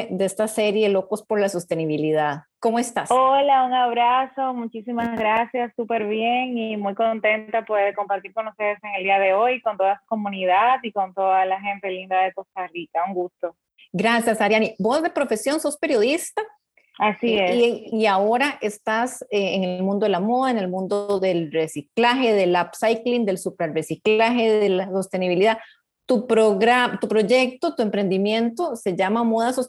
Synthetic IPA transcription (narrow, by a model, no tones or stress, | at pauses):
d̪eest̪ase̞ɾje̞lo̞ko̞spo̞ɾlasost̪e̞niβiliðaðko̞moe̞st̪asolauŋaβ̞ɾaso̞mut͡ʃisimazɣɾasjasːupeɾβjeŋimujko̞nt̪e̞nt̪apweðeeko̞mpaɾt̪iɾko̞nust̪e̞ðese̞ŋeld̪iaðe̞o̞jko̞nt̪o̞ðasu̥ko̞mũniðaðiko̞nt̪o̞ðalaxe̞nt̪e̞lind̪aðeko̞st̪arikauŋɡust̪o̞ | ɡɾasjasaɾjanibo̞sd̪e̞pɾo̞fe̞sjo̞nso̞spe̞ɾjo̞ð̞ist̪a | asiesiao̞ɾaʔe̞st̪aseːŋelmũnd̪oelamo̞ð̞aeŋe̞lmũnd̪ooðe̞lre̞siklaxe̞ðelapsajklind̪e̞lsupeɾresiklaxe̞ðelaso̞st̪e̞niβiliða | t̪upɾoɣɾamt̪upɾo̞ʝe̞k̚t̪o̞t̪ue̞mpɾe̞nd̪imjẽ̞nt̪o̞se̞ʝamamoð̞asos